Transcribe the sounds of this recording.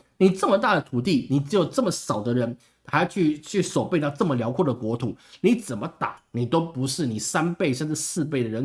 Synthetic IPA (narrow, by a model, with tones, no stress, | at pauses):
ni˨˩ʈ͡ʂə˥˩mə˨˩t̪a˥˩d̪ə˩t̪ʰu˨˩t̪i˥˩ni˨˩ʈ͡ʂɻ̩˧˥jo˨˩ʊʈ͡ʂɤ˥˩mə˩ʂɑ˨˩ʊd̪ə˦ɻə˧˥n | xa˧˥˨t͡ɕʰy˥˧t͡ɕʰy˥˩swɔ˨˩pe˥˧ɪt̪ɑ˥˧ʊʈ͡ʂɤ˥˩mə˩ljɑ˧˥ʊkʰwɔ˥˩d̪ə˩kwɔ˧˥t̪ʰu˨˥˦ni˧˥t͡sə˨˩nmə˦t̪a˨˩˦ni˨˩t̪o˥ʊpu˧˥ʂɻ̩˥˩ni˨˩sa˥npe˥˧ɪʂa˥˧nʈ͡ʂɻ̩˥˧sɹ̩˥˧p̬e˥˩ɪd̪ə˩ɻə˧˦˥n